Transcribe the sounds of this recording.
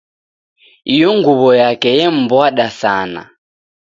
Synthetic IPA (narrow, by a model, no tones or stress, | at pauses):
ijɔŋɡuβɔjakɛjɛm̩bɔaɗasaːna̰